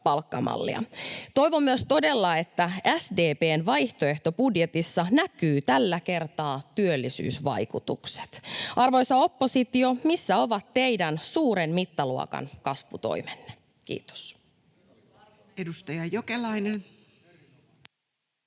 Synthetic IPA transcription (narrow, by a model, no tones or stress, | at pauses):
pɑlkːɑmɑ̰lːḭɑ̰t̪o̞iʋomːyøst̪o̞de̞lːɑe̞t̪ːææsdeːpeːnʋɑjht̪oe̞ht̪opudjet̪isːɑnækyːt̪ælːæke̞rt̪ɑːt̪yølːisy̰ːsʋɑ̰jkut̪ukse̥t̪ʔɑrʋojsɑo̞pːosit̪jomisːæo̞ʋɑt̪te̞idænsuːɾenmit̪ːɑluɑ̰kɑ̰nkɑsʋut̪o̰imenːe̥ | kḭːt̪o̥s | edust̪ɑjɑjokelɑinen